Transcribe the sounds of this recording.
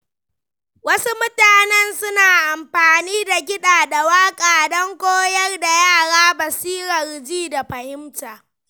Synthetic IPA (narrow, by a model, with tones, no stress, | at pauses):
wɐ˦su˦mʊ˦taː˨nɛ˦nsʊ˦naː˨ʔa˨mɸaː˨niː˦da˨ɡʲɪ˦ɗaː˨da˨waː˦kʼaː˨dɔ˦ŋkʷoː˦jɐ˦rda˨jaː˦˨ɽaː˦bɐ˨siː˦ɾɐ˨rd͡ʒiː˦da˨ɸɐ˨hɪ˦mtaː˨